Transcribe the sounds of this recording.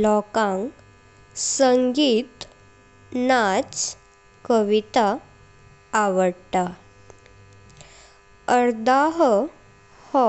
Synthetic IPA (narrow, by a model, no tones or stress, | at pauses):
lɔkãŋk | səŋɡiːt̪ | nat͡s | kəʋit̪aː | ʋəɽʈ̪a | əɾd̪aɦ | hɔ